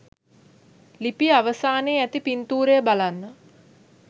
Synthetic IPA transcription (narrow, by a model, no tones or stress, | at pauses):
lipiaʋəsaːneːæt̪ipint̪uːɾeəbalanːə